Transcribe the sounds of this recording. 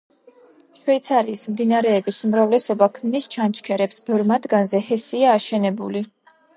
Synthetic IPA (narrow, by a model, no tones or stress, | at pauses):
ʃwɛt̪sʰaɾiːsmd̪inaɾɛːbisumɾavlɛsɔbakʰmnist͡ʃʰant͡ʃʰkʰɛɾɛpsbɛɾmad̪ɡanzɛhɛsiaːʃɛnɛbuli